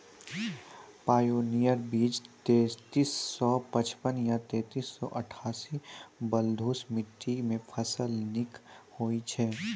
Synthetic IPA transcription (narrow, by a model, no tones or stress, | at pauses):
paːjoːnijəɾbiːd͡ʒt̪eːt̪iːsːɔpɐt͡ʃpənjat̪eːt̪iːsːɔ̰ʔɐʈʰaːsibəld̪ʱuːsmɪʈːimẽpʰɐsəlnɪkhoːit͡ʃʰɛː